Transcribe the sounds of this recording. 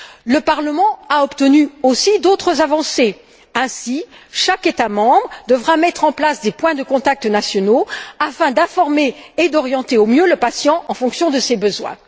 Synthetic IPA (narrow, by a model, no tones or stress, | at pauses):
ləpaʁləmɑ̃aɔpt̪ənyosid̪ot̪χəzavɑ̃se | ɛ̃siʃaket̪amɑ̃bʁəd̪əvʁamɛt̪χɑ̃plasd̪epwɛ̃d̪əkɔ̃t̪ak̚t̪ənasjɔnoafɛ̃d̪ɛ̃fɔʁmeːd̪ɔʁjɑ̃t̪eomjøləpasjɑ̃ʔɑ̃fɔ̃ksjɔ̃d̪əsebəzwɛ̰̃